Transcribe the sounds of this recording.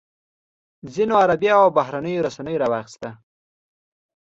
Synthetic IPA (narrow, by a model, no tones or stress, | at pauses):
zinoaɾabjaawbaɦɾanəjoɾasanəjoɾawɑxɪ̥st̪a